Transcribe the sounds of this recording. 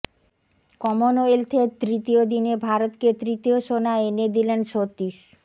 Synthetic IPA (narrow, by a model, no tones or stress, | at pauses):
kɔmonoelt̪ʰet̪ɾit̪iod̪inebʱaɾot̪ket̪ɾit̪ioʃonaened̪ilenʃot̪ːiʃ